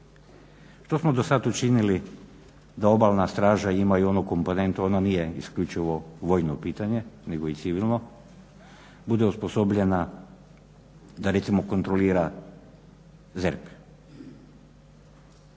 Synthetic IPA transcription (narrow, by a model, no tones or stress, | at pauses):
ʃt̪o̞smo̞d̪osat̪ut͡ʃinili | d̪ao̞balˠnast̪ɾaːʒaimaio̞nuko̞mpo̞ne̞nt̪oo̞nanijeiskʎut͡ʃiʋo̞ʋo̞jnopiːt̪aɲe̞neɡoit̪siʋilˠno̞ | bud̪e̞uspo̞sobʎe̞na | d̪aɾe̞t̪simo̞ko̞nt̪ɾoliːɾa | zeɾpe̥